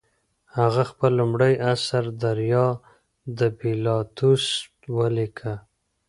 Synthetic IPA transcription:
haɣaxpəlːʊmɽəjasaɾd̪aɾjɑ | d̪əbilɑt̪us | wəlikʰa

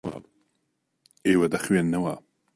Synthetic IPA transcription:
eːwɐd̪ɐxwenːɐwɐ

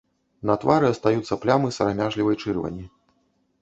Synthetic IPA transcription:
nɐt̪vaɾɨɐst̪ajut̪sːɐplʲamɨsɐɾamʲaʐlʲivɐjt͡ʂɨrvɐ̰nʲːi

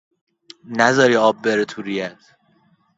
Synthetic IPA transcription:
næzɒːɾiːɒːbːeɾet̪ʰuɾijæd̪

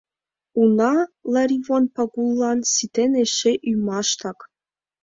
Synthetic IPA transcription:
unɑlˠɑɾʲivonpɑɡulˠːɑnsit̪eneʃeʔyjmɑʃt̪ɑk

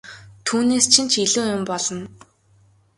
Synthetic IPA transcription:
t̪ʰuːneːst͡ɕʰint͡ɕʰiɮuːjʊmpɔɮɞ̆n

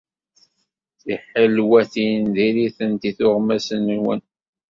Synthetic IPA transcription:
θiħəlwæθinðiɾiθənt̪iθʊʁmæsənnwən

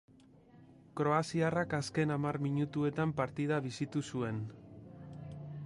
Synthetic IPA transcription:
kɾo̞asiarakaske̞namarmiɲut̪ue̞t̪ampaɾt̪ið̞aβ̞isit̪usue̞n

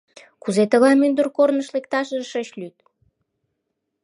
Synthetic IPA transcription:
kuzet̪ə̆ɣɑmynd̪ərkornəʃlekt̪ɑʃəʃəɕlyt̪̚

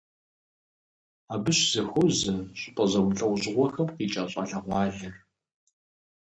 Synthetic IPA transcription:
aːbɨɕz̥ɨxʊzɐɕʼɪpʼɐzɐwɬʼɐwʑɪʁʷɔxɐmqiːt͡ʃʼaːɕʼa̰ɬɐʁʷɑːɮɐr

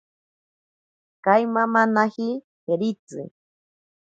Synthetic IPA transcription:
kajmamanahi | heɾit͡sɨ̰

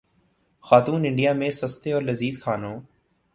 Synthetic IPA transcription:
xaːt̪uːnɪ̃ɳɖijaːmẽsəst̪eɔːɾlɐziːzkʰaːnõː

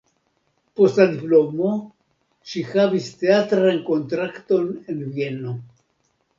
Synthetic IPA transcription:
postlad̪iplo̞mo | ʃixavist̪e̞at̪ɾanko̞nt̪ɾakt̪o̞nenvjeno

